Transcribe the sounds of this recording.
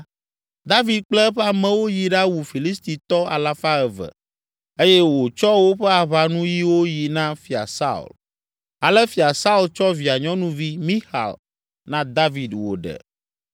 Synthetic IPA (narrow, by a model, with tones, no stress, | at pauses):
d̪a˦vi˨d̪̚k͡plɛ˦ɸa˨mɛ̃˨wo˦ji˨ɖa˦wu˨fi˨li˦st̪i˨t̪ɔ˦a̰˨la˦fa˦ɛ˨və̰˨ | e˦jɛ˦wo˨t͡ʃɔ˦wo˦ɸɛ˦a˨βa˨nũ˦ji˦wo˦ji˨nã˦fi˨a̰˨sa̰˦ṵ˨l | a˨lɛ˦fi˨a˨sa˦u˦˨lt͡ʃɔ˦vi˨a˨ɲɔ̃˦nũ˦vi˦mĩ˦xa̰˨l | nã˦d̪a˦vi˨d̪wo̰˨ɖɛ̰˨